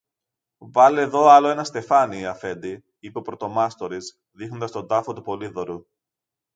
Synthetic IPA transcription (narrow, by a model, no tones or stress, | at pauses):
vɐlieðo̞ɐlo̞e̞nɐst̪e̞fɐniɐfe̞nd̪i | ipeopɾo̞t̪o̞mɐst̪o̞ɾiz | ðixno̞nd̪ɐst̪o̞nd̪ɐfo̞t̪upo̞liðo̞ɾu